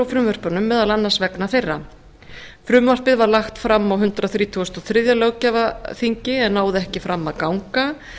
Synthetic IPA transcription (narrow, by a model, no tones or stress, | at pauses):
awfɾʏmvar̥pœnʏmːɛːðalanːansvɛknafejrːa | fɾʏmvar̥pɪðvaɾlaxt̪fɾamːawɦʏnt̪ɾaθɾiːt̪ʰuɔst̪ɔθɾɪðjalœwcavaθiɲcɪɛnːaːwðɪɛhcɪfɾamːaðkawŋka